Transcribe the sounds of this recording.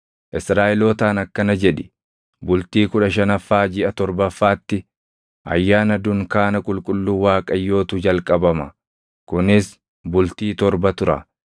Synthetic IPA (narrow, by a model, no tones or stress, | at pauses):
ʔɪsɾaːʔɛloːt̪aːnɐkːɐnɐd͡ʒɛᶑɪ | bʊlt̪iːkʊᶑɐʃ̬ɐnɐfːaːd͡ʒɪɐt̪ɔɾbɐfːaːt̪ːɪ | ʔɐ̰jːaːnɐd̪ʊŋkaːnɐkʼʊlkʼʊlːuːwaːkʼɐjːo̞ːt̪ud͡ʒɐlkʼɐbɐmɐ | kʊnɪs | bʊlt̪iːt̪ɔɾbɐt̪ʊɾɐ̰